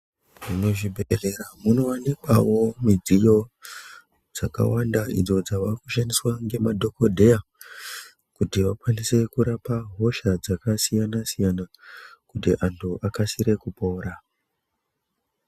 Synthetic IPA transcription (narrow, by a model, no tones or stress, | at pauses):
ʐnoʐibʱere̞ɾamuno̞wanikwawo̞mid͡zijo̞ | d͡zaka̰wandaḭd͡zo̞d͡zaʋakuʃandiswaŋɡe̞madʱo̞ko̞dʱe̞ja | kutiʋakwanise̞kuɾapaɦo̞ʃad͡zakasijanasijana | kutḭʔantʰuʔakasiɾe̞kupo̞ːɾa